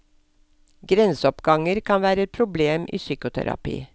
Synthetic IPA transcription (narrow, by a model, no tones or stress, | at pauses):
ɡɾɛnsɔpɡɑŋəɾkʰɑnʋæːɾəɛt̪̚pʰɾʊbleːmʔḭːsyːkʊt̪ʰæ̰ɾɑ̰pḭː